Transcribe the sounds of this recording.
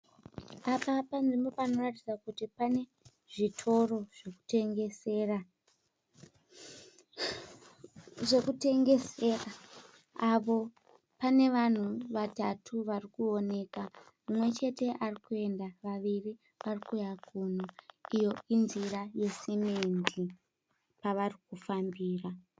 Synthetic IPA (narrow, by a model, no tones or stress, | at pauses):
apapand͡zimo̞pano̞ratid͡zakutipane̞ | ʐitʰo̞ro̞ʐ̥e̞ku̥te̞ŋɡe̞se̞ːra | ʐe̞kute̞ŋɡe̞sera | apo̞ | pane̞ʋan̤uʋatatʰuʋarikuo̞ne̞ːka | mumwe̞t͡ʃe̞te̞ʔarikue̞ndaʋaʋiri | ʋarikujakʰun̤oijo̞inziraje̞simendi | paʋarikufambiːra